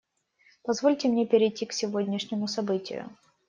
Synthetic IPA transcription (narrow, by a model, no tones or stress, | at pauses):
pɐzvo̞lʲtʲɪmnʲepʲɪɾʲɪjtʲːiksʲɪvo̞dʲnʲɪʂnʲɪmʊsɐbɨtʲɪ̰jʊ̰